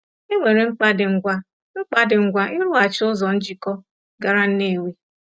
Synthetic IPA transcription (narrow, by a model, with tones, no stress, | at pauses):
e˦ŋʷe˨ɾe˨ŋ͡m̩˦k͡pa˦dɪ˨ŋ͡m̩˦ɡʷa˦ | ŋ͡m̩˦k͡pa˦dɪ˨ŋ͡m̩˦ɡʷa˦ʔɪ˦ɾʊ˦a˨t͡ʃɪ˦ʊ˦zɔ˨n̩˦d͡ʒi˨kɔ˦ | ɡa˨ɾa˦n̩˦ne˦˨wi˦